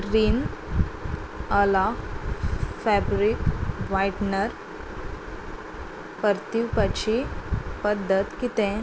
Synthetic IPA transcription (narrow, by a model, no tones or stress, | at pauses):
ɾiːn | əla | fɛbɾikʋajʈnəɾ | pəɾt̪iwpat͡ɕipəd̪ʱːət̪kit̪ẽ